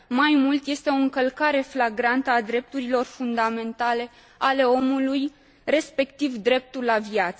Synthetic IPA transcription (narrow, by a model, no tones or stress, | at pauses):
majmult̪je̞st̪e̞o̞ɨŋkəlkaɾe̞flaɡɾant̪əad̪ɾe̞p̚t̪uɾilo̞rfund̪ame̞nt̪ale̞ | ale̞o̞muluj | re̞spe̞kt̪ivd̪ɾe̞p̚t̪ulavjat̪s